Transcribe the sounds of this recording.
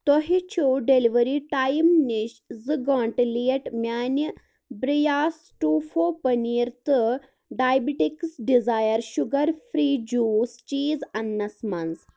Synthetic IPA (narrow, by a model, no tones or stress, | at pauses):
t̪oɦit͡ʃʰuɖeliʋəɾiʈajmniɕzɨɡɔːɳʈlieʈmʲjaːnə | bɾijaːs | ʈuːfopəniːɾt̪ɨ | ɖajbiʈiksɖizajəɾʃuɡɐɾfʰɾiːd͡ʒuːst͡ʃiːzɐnːɐsmans